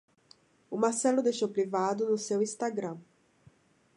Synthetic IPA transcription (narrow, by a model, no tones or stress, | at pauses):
ʊmaɾsɛlʊd̪ejʃowpɾivad̪ʊnʊsewĩst̪aɡɾɐ̃